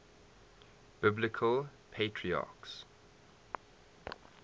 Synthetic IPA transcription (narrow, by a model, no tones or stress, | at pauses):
b̥ɪblɪkʰəlpʰetʰɹiɑ̰ˑks